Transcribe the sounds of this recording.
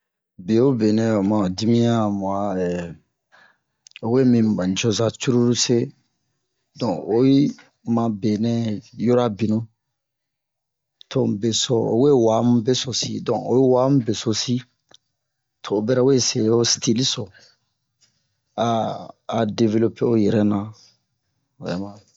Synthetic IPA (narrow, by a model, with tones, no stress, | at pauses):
bi˨o˦be˨nɛ̃˦o˨mã˨di˦mĩ˦ã˦˨mɔ˨a˦ɛ˨ | o˨we˦mĩ˨bã˨ɲ˨t͡ʃɔ˦za˨t͡ʃu˦ɾu˦ɾu˦se˦ | dɔ̃˨o˨˦ji˦ | mã˨be˨nɛ̃˦jo˦ɾa˦bi˨nũ˦ | tʰõ˨be˨sɔ˨o̰˨we˦wa˨˦mũ˦be˦so˨sḭ˦dɔ̃˨o˨˦ji˦wa˨˦mũ˦be˨so˨si˦ | tʰoː˨bɛ˦ɾa˦o˦e˦se˨o˦stʰi˦li˦sɔ˨ | aː˦˨ | de˨ve˦lo˦pe˦o˦jɛ˨ɾɛ˦nã˨ | o˨jɛ̰˨mã˨